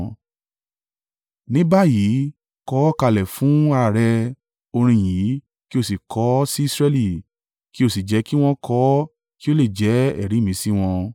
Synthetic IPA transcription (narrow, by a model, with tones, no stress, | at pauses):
nĩ˦ba˦˨ji˨˦ | kɔ˨˦ka˧lɛ˨fũ˨˦a˦˧ɾa˦˨ɾɛ˧ | o˧ɾ̃ĩ˧˨j̃ĩ˨˦ | ki˦o˦˨si˨kɔ˨˦si˦˧˦sɾɛ˧li˦˨ | ki˦o˦˨si˨d͡ʒɛ˨˦ki˦w̃ɔ̃˦kʰɔ˨˦ | ki˦o˦le˦˨d͡ʒɛ˨˦ɛ̰˦˨ɾi˨˦mĩ˨˦si˦w̃ɔ̃˧